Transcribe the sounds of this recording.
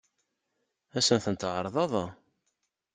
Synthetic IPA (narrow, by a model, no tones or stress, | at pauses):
æsənθənt̪ʕəɾˤðˤɑðˤɑ